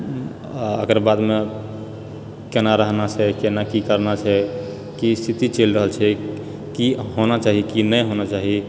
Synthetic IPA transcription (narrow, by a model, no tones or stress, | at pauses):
ə̰kəɾbad̪me | kenaɾəɦnat͡ʃʰɛkenakikəɾnat͡ʃʰɛ | kist̪ʰit̪it͡ʃelɾəɦəlt͡ʃʰɛ | kiɦonat͡ʃaɦikinəɦonat͡ʃaɦi